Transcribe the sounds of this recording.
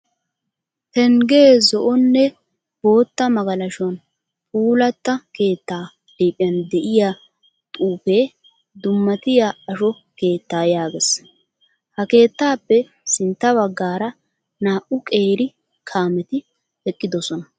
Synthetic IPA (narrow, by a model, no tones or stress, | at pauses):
hɛŋɡeːzɔʔɔnːɛ | b̥o̞ːt̪ːɐmɐɡɐlɐʃwɐn | pʼuːlɐt̪ːɐke̞ːt̪ːaː | d̪iːpʼːɪjɐnd̪ɛʔɪja | t̪ʼuːpeː | d̪ʊmːɐt̪ɪjaɐʃɔ | ke̞ːt̪ːaːjaːɡes | hɐke̞ːt̪ːaːpːɛ | sɪnt̪ːɐβɐɡːaːɾɐ | naːʔʊkʼe̞ːɾɪ | kʰaːmɛt̪ɪ | ɛkʼːɪd̪ɔsɔnɐ